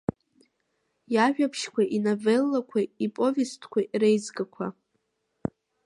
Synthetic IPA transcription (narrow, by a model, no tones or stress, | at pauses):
jaʒᶣapʰʃkʷaʔinovelːakʷʰaipʼo̞vʲistʰkʷʰaʔɾejzɡakʷʰa